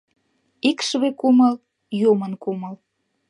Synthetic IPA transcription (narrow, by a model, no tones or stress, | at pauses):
ikʃβekuməl | jumənkuməl